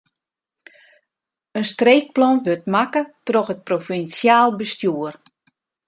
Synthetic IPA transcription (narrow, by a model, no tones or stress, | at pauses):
ənstreːk̚plɔnʋøtmakətroxət̚profinsjaːlˠbəstjuər